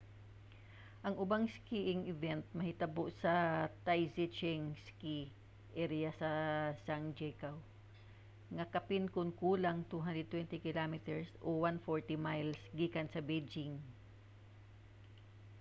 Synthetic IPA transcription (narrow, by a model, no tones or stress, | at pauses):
ʔɐŋʊbaŋskiʔɪŋɪvɛnt̪̚mɐhɪt̪ɐboʔsɐt̪ajsɪt͡ʃɛŋski | ʔɛɾiasɐsaŋd͡ʒɛkaw | ŋɐkɐpɪnkʊnkuːlɐŋt̪uɦand̪ɹɛd̪̚t̪wɛnt̪ɪkɪlamɪt̪ɛɹsʔowanfoɹt̪imajlsɡiːkɐnsɐbejd͡ʒɪŋ